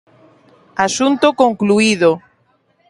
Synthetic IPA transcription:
asunt̪okoŋkluiðo

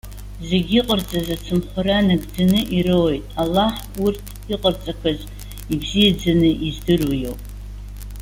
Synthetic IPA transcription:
ze̞ɡʲiqʼərt͡sʼazat͡sʰɨmχʷaɾanaɡʼd͡zanɨʔiɾɨwjtʼalːaħ | urtʰ | iqʼərt͡sʼakʷʰaz | ibzijad͡zanɨʔizdɨrujowpʼ

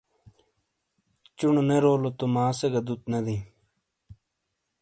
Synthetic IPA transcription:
t͡ɕuɳoneɾoːlot̪omaːseɡɐd̪ut̪̚nɐd̪i

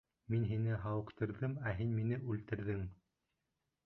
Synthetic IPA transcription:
minɦinɘɦɑwɤ̆qt̪ɤ̆ɾðɤmæɦinminɘʔʉlt̪ɘ̆ɾðɘŋ

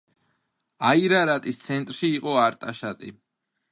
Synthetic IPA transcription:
aiɾaɾat̪ʼist̪sʰɛnt̪ʼɾʃiːqʼɔaɾt̪ʼaʃat̪ʼi

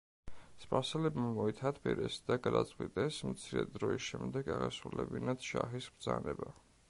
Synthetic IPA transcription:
spʼaɾsɛlɛbmamɔit̪ʰat̪ʰbʰɛɾɛsd̪aɡad̪at̪sʼqʼwit̪ʼɛsmt̪sʰiɾɛd̪ɾɔisʃɛmd̪ɛɡaʁɛsulɛbinat̪ʃaχisbd̪zanɛba

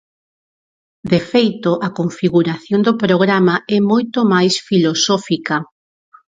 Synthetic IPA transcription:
d̪efejt̪oʔɐkoɱfiɣuɾaθjond̪opɾoɣɾamaɛmojt̪omajsfilosɔfikɐ

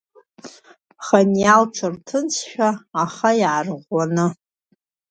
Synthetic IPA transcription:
χanjalʈ͡ʂʷʰɨrtʰɨnt͡sʰʃᶣaːχajʕarʁʷanɨ

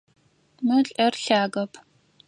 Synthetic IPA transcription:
mɨɬʼɐrɬaːɡɐpʰ

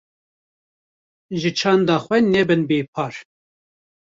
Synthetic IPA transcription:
ʒɨt͡ʃʰɑːnd̪ɑːxʷwɛnɛbɨnbeːpʰɑːɾ

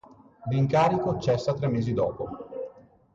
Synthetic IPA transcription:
d̪iŋkaːɾikot͡ʃɛsːat̪ɾɛmːeːzid̪ɔ̰ːpo

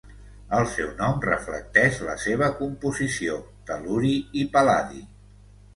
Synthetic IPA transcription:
əlˠsɛwnɔmrəflə̰k̚t̪ɛʃlə̰seβ̞əkumpuzisio | t̪əluɾiipəlaðḭ

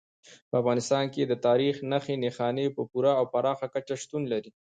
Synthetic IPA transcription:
pəafɣɑnɪst̪ɑnked̪ət̪ɑɾixnaxenexɑnepəpuɾaːwpaɾɑxakat͡ʃaʃt̪unlaɾi

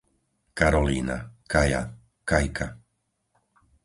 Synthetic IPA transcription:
kaɾɔliːna̰kaja̰ | kajkʰa

